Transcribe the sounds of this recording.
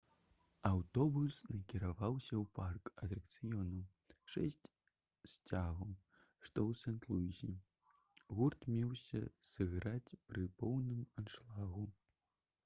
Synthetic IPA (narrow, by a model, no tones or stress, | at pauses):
ɐwt̪ɔbusnɐkʲiɾavawsʲɐwparkɐt̪ɾɐkt̪sɨjɔnɐw | ʂɛsʲt͡sʲ | sʲt͡sʲaɣɐ | ʂt̪ɔwsɛnt̪lˠuizʲi | ɣurt̪mʲɛwsʲɐ̰sɨɣɾat͡sʲpɾɨpɔwnɨmanʂlˠaɣu